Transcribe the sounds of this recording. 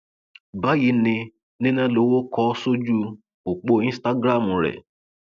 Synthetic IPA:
ba˦ji˨˦nɪ̃˧ | nɪ̃˦nã˦lo˨˦wo˦kɔ˦so˦d͡ʒu˦ | o˨k͡po˧ĩ˦sta˦ɡɾa˦˨mu˨ɾɛ̰˨

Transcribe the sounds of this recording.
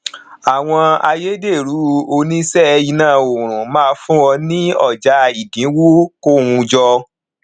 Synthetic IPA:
a˨w̃ɔ̃˧a˧je˦de˦˨ɾu˨˦o˧nĩ˦sɛ˦i˧nãː˦˨o˨ɾ̃ũ˨mãː˦˧fũ˦ɔ˧nĩ˦ɔ˦˨d͡ʒa˧i˨dĩ˨˦wu˦ko˦˨wũ˧d͡ʒɔ˧

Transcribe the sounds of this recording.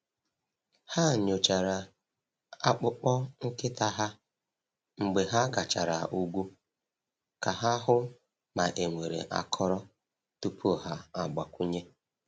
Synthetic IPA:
ha˦˨ɲo˨t͡ʃa˨ɾa˨ | a˦k͡pʊ˦k͡pɔ˦ŋ̩˦kɪ˦ta˦ɦa˦ | ŋ͡m̩˨ɡ͡be˨ɦa˦ɡa˨t͡ʃa̰˨ɾa˨ʔu˦ɡʷu˦ | ka˨ɦa˦ɦʊ˦ | ma˨ʔe˨ŋʷe˨ɾḛ˨ʔa̰˦kʰɔ˦ɾɔ˦ | tu˦pʰu˦˨ɦa˦a˨ɡ͡ba˨kʷu˦ɲe˦

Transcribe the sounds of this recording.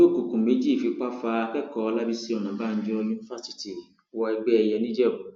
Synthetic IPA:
o˦˨ku˨kũ˨mẽ˨˦d͡ʒi˦˨fi˨˧˦k͡pa˦fa˧kɛ˦kɔ˧la˦bi˧si˦ɔ˨nã˨ba˦˨n̩˦d͡ʒɔ˧jũ˧ni˧fa˦si̥˦ti˨ | wɔ˧ɛ˧ɡ͡bɛ˦ɛ˧jɛ˧nĩ˦d͡ʒɛ˦˨u˨

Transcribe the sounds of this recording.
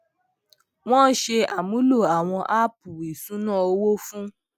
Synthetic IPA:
w̃ɔ̃˦ʃe˧a˨mũ˨˦lo˦˨a˨w̃ɔ̃˧ʔa˦pu˨ɾi˨sũ˨˦nãː˦˨o˧˦wo˦fũ˦

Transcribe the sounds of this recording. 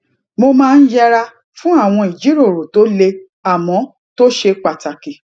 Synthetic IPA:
mo˧mãː˦˧n̩˦d͡ʒɛ˦ɾa˧ | fũ˦a˦˨w̃ɔ̃˧i˨d͡ʒi˨˦ɾo˦˨ɾo˨to˨˦le˧ | a˨mɔ̃˨˦ | to˦ʃe˧k͡pa˨ta˨ki˨

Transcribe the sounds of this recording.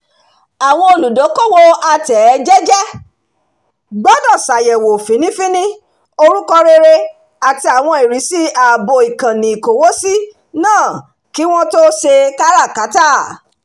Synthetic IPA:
a˨w̃ɔ̃˧o˧lu˨do˨˦ko˦˨wo˧a˧tɛ˨˦d͡ʒɛ˦d͡ʒɛ˦ | ɡ͡bɔ˦dɔ˦˨sa˨jɛ˨wo˨fĩ˨˦nĩ˦fĩ˦nĩ˦ | o˧ɾu˦kɔ˧ɾe˧ɾe˧ | a˨ti˧a˨w̃ɔ̃˧i˨ɾi˨˦si˦a˨bo˨i˨kã˨nĩ˨i˨ko˨wo˦si˦ | nãː˦˨ | ki˨˦w̃ɔ̃˦to˦ʃe˧ka˦ɾa˦˨ka˨˦ta˦˨

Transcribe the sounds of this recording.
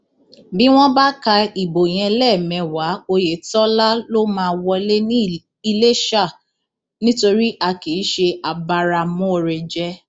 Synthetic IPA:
bi˦w̃ɔ̃˦ba˦ka˧i˨bo˨j̃ɛ̃˧lɛ˦˨mɛ̃˧˨wa˨˦o˧je˨tɔ˦la˦lo˦mãː˧wɔ˧le˦nĩ˦ | i˧le˦ʃa˦˨ | nĩ˦to˧ɾi˦ʔa˧ki˨˦ʃe˧a˨ba˧ɾa˧˨mũ˦o˧ɾe˧d͡ʒɛ˦

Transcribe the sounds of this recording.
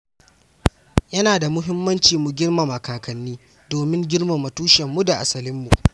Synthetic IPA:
jɐ˦naː˨da˨mʊ˦ɦɪ˦mːɐ˦nt͡ʃiː˨mu˨ɡʲɪ˦rma˨mɐ˨kaː˨kɐ˨nːiː˦ | doː˨mɪ˦ŋɡʲɪ˦ɽma˨mɐ˨tuː˦ʃɛ˨mːu˦da˨ʔa˨sɐ˨lɪ˦mːu˨ʔ

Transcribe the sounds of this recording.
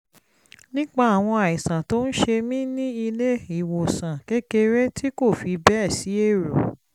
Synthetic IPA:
nĩ˦k͡pa˧a˨w̃ɔ̃˧a˨i˨sã˨to˦n̩˦ʃe˧mĩ˦nĩ˦i˧le˦i˦˨wo˨sã˨ke˦ke˧ɾe˦tʰi˦ko˦˨fi˧bɛ˦˨si˨˦e˦˨ɾo˨

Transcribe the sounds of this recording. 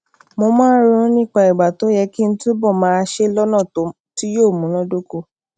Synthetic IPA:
mo˧mãː˦ɾõ˧˦nĩ˦˨k͡pa˧i˨ɡ͡ba˨to˨˦jɛ˧ki˦ñ̩˦tu˦bɔ˦˨mãː˨˦˧ʃe˦lɔ˦nã˦˨to˨˦ | ti˦joː˦˨mũ˨˦nɔ̃˦do˦ko˧˦

